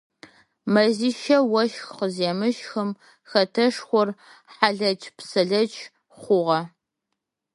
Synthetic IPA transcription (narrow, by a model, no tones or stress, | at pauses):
mɐziːʃɐwɐʃxqəzeːmɨʃxɨm | xɐtʰɐʂxʷɔrħaɮɐt͡ʃʰʼpsɐɮɐt͡ʃʰ | χʷʊʁɐ